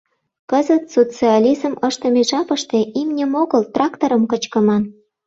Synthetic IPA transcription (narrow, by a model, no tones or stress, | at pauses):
kəzət̪sot͡siɑlʲizəməʃt̪ə̆meʒɑpə̆ʃt̪eʔimnʲəmoɣəlt̪rɑkt̪oɾə̆mkət͡ɕkə̆mɑn